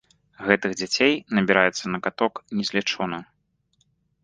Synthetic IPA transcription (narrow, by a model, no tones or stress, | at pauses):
ɣɛt̪ɨɣd͡zʲat͡sʲejnɐbʲiɾajɛt̪sːɐnɐkat̪ɔknʲɛzʲlʲɛt͡ʂɔnɐ